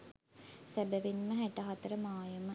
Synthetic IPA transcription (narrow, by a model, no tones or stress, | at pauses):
sæbəʋinməɦæʈəɦat̪əɾəmaːjumə